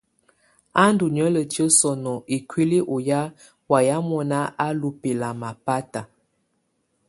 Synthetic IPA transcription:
a˦ndu˨ɲə˦lə˨tjə˦sɔ˨nɔ˨ʔi˨kwi˦li˦ʔo˨ja˦ | wa˨ja˦mɔ˦na˦ʔa˦lu˨pe˨la˨ma˨pa˦ta˨

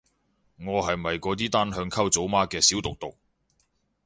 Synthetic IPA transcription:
ŋɔː˨˧ɦɐ˨jmɐ˨jkɔː˨˧t̪̬iː˥t̪aː˥nɦœː˧ŋkʰɐ˥wt͡so˨˥wmaː˥kɛː˧si˨˥wt̪ʊ˨k̚t̪ʊ˨k̚

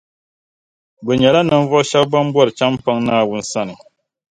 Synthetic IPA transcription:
bɨ˨ɲɛ˨la˦nɨ˨ɱ˦vɔ˦ʃɛ˦bba˦m˦bɔ˦ɾɨ˨t͡ʃa˦mpa˦ŋnaː˦wu˦n̩˦sa˦nɨ˨

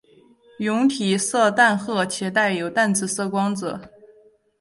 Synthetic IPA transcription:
jʊ˧˥ŋt̪ʰi˨˩sɤ˥˧t̪a˥˧nxɤ˥˩t͡ɕʰɛ˧˥t̪a˥˩ɪjo˨˩ʊt̪a˥˩nt͡sɹ̩˨˩sɤ˥˩kwɑ˥ŋt͡s̩˨˩˦

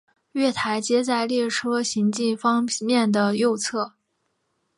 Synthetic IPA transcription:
ɥɛ˥˩t̪ʰa˧˥ɪt͡ɕjɛ˥t͡sa˥˧ɪljɛ˥˩ʈ͡ʂʰɤ˥ɕi˧˥ŋt͡ɕi˥˩nfɑ˥ŋmjɛ˥˩nd̪ə˩jo˥˧ʊt͡sʰɤ˥˩

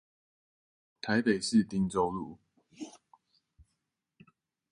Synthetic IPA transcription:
t̪ʰa˨˦ɪpe˨˩ɪʂɻ̩˥˨t̪i˥ŋt͡so˥˧ʊlu˥˩

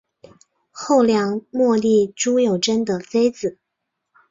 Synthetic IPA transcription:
xo˥˩ʊljɑ˧˥ŋmwɔ˥˧li˥˩ʈ͡ʂu˥jo˨˩ʊʈ͡ʂə˥nd̪ə˨t͡se˥ɪt͡sɹ̩˨˩˦

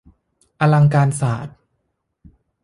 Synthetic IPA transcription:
ʔa˧la˧ŋkaː˧nsaː˨˩˦t̪̚

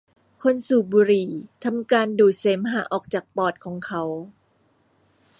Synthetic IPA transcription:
kʰo˧nsuː˨˩buː˧ɾiː˨˩t̪ʰa˧mkaː˧nduː˨˩t̪̚se˩˦mɦaː˩˦ʔɔː˨˩k̚t͡ɕaː˨˩k̚pɔː˨˩t̪̚kʰɔː˩˦ŋkʰa˦˥w

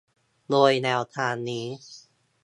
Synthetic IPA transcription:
loː˧jnɛː˧wt̪ʰaː˧nːiː˦˥

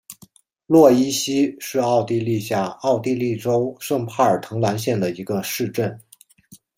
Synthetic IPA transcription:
lwɔ˥˩i˥ɕi˥ʂɻ̩˥˧ɑ˥˧ʊt̪i˥˧li˥˧ɕja˥˩ɑ˥˧ʊt̪i˥˧li˥˩ʈ͡ʂo˥ʊʂɤ˥˧ŋpʰa˥˩ə˞˨˩t̪ʰɤ˧˥ŋla˧˥nɕjɛ˥˩nd̪ə˩i˧˥ɡə˧ʂɻ̩˥˧ʈ͡ʂə˥˩n

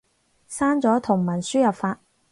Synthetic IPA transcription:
saː˥nt͡sɔː˨˥t̪ʰʊ˨˩ŋmɐ˨˩nsyː˥jɐ˨p̚faː˧t̚

